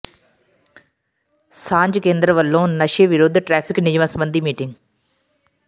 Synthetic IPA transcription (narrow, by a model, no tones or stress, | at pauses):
sãːɲd͡ʑkẽːnd̪ɾəʋəlːõnɐʃeʋɪɾoːd̪ʱʈɾɛːpʰɪknɪd͡ʒmãːsɐmbə̃nd̪ʱimiːʈɪ̃ŋɡ